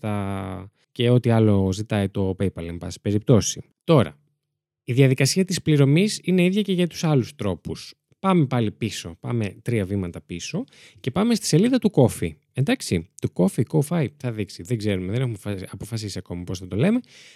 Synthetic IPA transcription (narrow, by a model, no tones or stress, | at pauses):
tɐ | ce̞o̞t̪iɐlo̞zit̪ɐit̪o̞pejpɐlembɐsi̥pe̞ɾip̚t̪o̞si | t̪o̞ɾɐ̰ | iðjɐðikɐsiɐt̪ispliɾo̞misine̞iðʝɐceʝɐt̪u̥sɐlust̪ɾo̞pus | pɐme̞pɐlipiso̞̰pɐ̰me̞t̪ɾiɐvimɐt̪ɐpiso̞ | ce̞pɐme̞st̪i̥se̞liðɐt̪uko̞fi | end̪ɐksit̪uko̞fikofɐjθɐðiksiðeɡze̞ɾumeðenexumfɐpo̞fɐsisiɐko̞mɐposθɐt̪o̞le̞me̞